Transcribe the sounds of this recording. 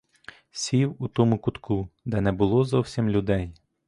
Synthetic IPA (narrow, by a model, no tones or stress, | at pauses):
sʲiwut̪ɔmʊkʊt̪kud̪ɛnɛbʊlˠɔzɔwsʲimlʲʊd̪ɛj